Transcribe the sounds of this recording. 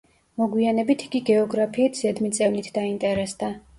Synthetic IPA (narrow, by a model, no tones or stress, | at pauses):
mɔɡwianɛbit̪ʰi̥ɡiɡɛɔɡɾapʰiːt̪ʰz̥ɛd̪mit̪sʼɛvnit̪ʰd̪aint̪ʼɛɾɛsd̪a